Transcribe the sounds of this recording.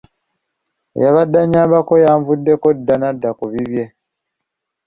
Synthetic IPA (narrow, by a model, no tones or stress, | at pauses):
ḛjaβadːaɲaːmbakojaːɱvudːe̞kodːanadːakuβiβje̞